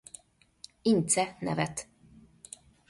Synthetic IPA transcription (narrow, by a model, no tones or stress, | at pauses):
ɪnt̪sɛnɛ̰vɛt̪